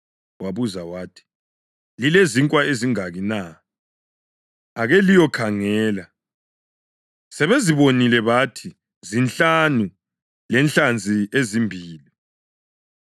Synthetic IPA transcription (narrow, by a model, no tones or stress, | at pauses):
waβuzawaːtʰi̥ | lileziŋkʼwaeziŋaɣina | aɣɛlijɔkʰaŋɛːla | sɛβeziβonilɛβatʰi | zint͡ɬanu | lɛnt͡ɬand͡zʱiezimbʱiːli